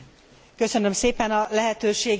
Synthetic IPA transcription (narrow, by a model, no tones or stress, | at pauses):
kø̞sø̞nø̞mseːpɛnɒlɛɦɛt̪øːʃeːɡ